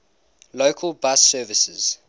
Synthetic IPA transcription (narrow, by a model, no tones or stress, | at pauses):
lokʰəlˠbasɜːvɪsəz̥